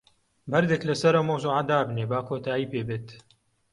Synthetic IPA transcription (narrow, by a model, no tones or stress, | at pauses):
bɐɾd̪eklɐsɐɾɐwmɐwzuʕad̪aːbneːbaːkʰoːt̪ʰaːiːpeːbeːt̪